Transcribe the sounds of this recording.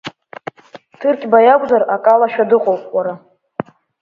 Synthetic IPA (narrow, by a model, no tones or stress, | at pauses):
tʰɨrkʲʼbajaɡʷʼzarakʼalaʃᶣadɨqʼowpʼwaɾa